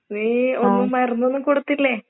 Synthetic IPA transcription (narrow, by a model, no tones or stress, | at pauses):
eonːumɐrɐnːuonːɨkoɽut̪ːilːe